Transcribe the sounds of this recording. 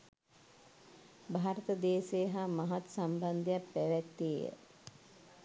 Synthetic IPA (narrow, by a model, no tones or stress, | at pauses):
bʱaːɾət̪əd̪eːsejəɦamaɦat̪samband̪ejappæʋɛk̚t̪iːjə̰